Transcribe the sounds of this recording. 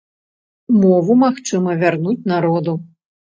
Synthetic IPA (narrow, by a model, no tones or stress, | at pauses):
mɔvumaxt͡ʂɨmɐvʲarnut͡sʲnaɾɔd̪u